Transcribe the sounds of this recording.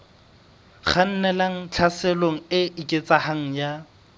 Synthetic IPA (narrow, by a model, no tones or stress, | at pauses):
χan̩nɛlaŋ̩t͡ɬʰasɛloŋ̩ɪikʼɪt͡sahaŋ̩ja